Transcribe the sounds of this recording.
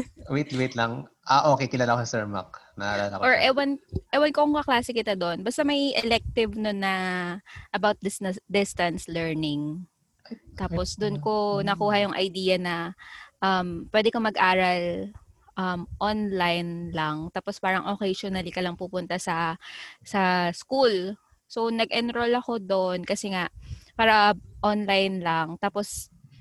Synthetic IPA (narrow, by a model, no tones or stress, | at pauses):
wit̪lwit̪lɐŋ | ʔaʔoːkejkɪlaːlɐksɛɹma̰k̚nɐʔa̰ɾalɐkʔoɹʔɛwɐnʔɛwɐnkoʊŋkɐklaːsɪkɪt̪ad̪oʔnbɐst̪ɐmɐjʔɛlɛk̚t̪ɪvnonːɐ | ʔɐbawt̪̚d̪d̪ɪst̪ɐnslɛɹnɪŋ | t̪aːposd̪ʊnko̞nɐkuːhɐjʊŋʔɐ̰jd̪iːjɐnɐʔɐmpwɛːd̪ɛkomɐɡʔaːɾɐlʔɐmʔonlajnlaŋt̪aːpospaːɾɐŋʔokɛjʃonɐlɪkɐlɐŋpupʊnt̪ɐsɐsɐskul | so̞nɐɡʔɛnɾolɐko̞d̪oʔnkɐsɛŋaʔpaːɾɐʔonlajnlɐŋt̪aːpos